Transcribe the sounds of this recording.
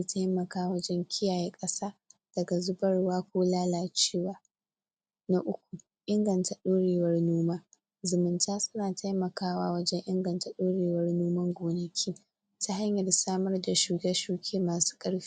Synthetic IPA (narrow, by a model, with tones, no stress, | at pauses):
tʰa˦jmɐ˨kaː˦wɐ˦d͡ʒɛ˦ŋkʲʰɪ˦jaː˨jeː˦kʼɐ˦saː˦d̥ɐ˨ɡa˨zʊ˦bɐ˦rwaː˦kʷoː˦laː˦laː˨t͡ʃeː˦waː˦ | na˦ʔʊ˦kʷu˨ | ʔɪ˦ŋɡɐ˨nta˨ɗoː˦ɽeː˨wɐ˦rnoː˦maː˦ | zʊ˨mɪ˨ntʰaː˦sʊ˦naː˨ta˦jmɐ˨kaː˦wa̰ː˦wɐ˦d͡ʒɛ˦ŋʔɪ˦ŋɡɐ˨nta˨ɗoː˦ɽeː˨wɐ˦rnoː˦mɐ˦ŋɡʷoː˨nɐ˨kʲʰiː˦ | tʰa˦ɦa˦ɲjɐ˨rsaː˦mɐ˦rda˨ʃuː˨ɡɐ˦ʃuː˨kʲʰeː˦maː˨su̥ː˦kʼɐ˦ɽɸi̥˦